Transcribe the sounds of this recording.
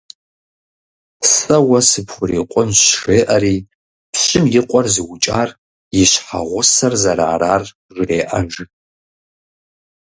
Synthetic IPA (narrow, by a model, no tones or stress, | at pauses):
sɐwɐsɨpʰxʷʊɾiːqʷʼʊnɕʂeːʔɐɾiː | pʰɕʼɪmjɪqʷʼɔrzɨwt͡ʃʼaːr | jɪɕħa̰ʁʷʊsɐrzɐɾa̰ːɾaːr | ʒʷreːʔɐnʒ